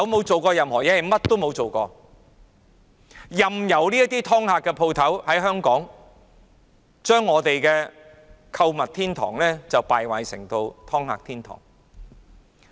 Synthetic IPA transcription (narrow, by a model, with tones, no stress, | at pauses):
ɐ˨˥wmo˨˧wt͡so˨wkɔː˧jɐ˨mhɔː˨˩jɛː˨˧ɐ˨mɐ˥t̚t̪ːo˥wmo˨˧wt͡so˨wkɔː˧ | jɐ˨mjɐ˨˩wliː˥jɐ˥t̪iː˥t̪ʰɔː˥ŋhaː˧kːɛ˧pʰo˧wt̪ʰɐ˨˥whɐ˨˥jɦœː˥ŋkɔː˨˥ŋ | t͡ʃœː˥ŋːɔː˨˧t̪e˨jkɛː˧ | kʰɐ˧wmɐ˨t̚t̪ʰiː˥nt̪ʰɔ̰ː˨˩ŋlɛː˥t͡sɐ˨wpaː˨jwaː˨jsɪ̰˨˩ŋt̪o˧wt̪ʰɔː˥ŋha̰ː˧k̚t̪ʰiː˥nt̪ʰɔ̰ː˨˩ŋ